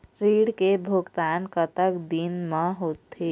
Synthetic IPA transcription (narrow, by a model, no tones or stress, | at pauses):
ɾiːɽkebʱʊɡt̪aːnkət̪əkd̪inmə̃ɦoːt̪ːeː